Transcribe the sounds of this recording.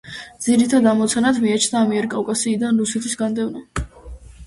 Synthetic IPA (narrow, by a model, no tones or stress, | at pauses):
d̪ziɾit̪ʰad̪amɔt̪sʰanat̪ʰmiat͡ʃʰnaːmiɛɾkʼavkʼasiːd̪anɾusɛt̪ʰisɡand̪ɛvna